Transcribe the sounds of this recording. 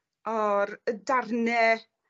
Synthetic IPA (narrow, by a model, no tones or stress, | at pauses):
ɔɾədarnɛ